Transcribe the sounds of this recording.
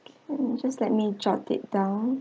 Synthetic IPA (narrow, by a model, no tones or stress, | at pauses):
kɛ̃nd͡ʒaslɛt̚mid͡ʒɔtɪ̰t̚d̥ãʊ̃n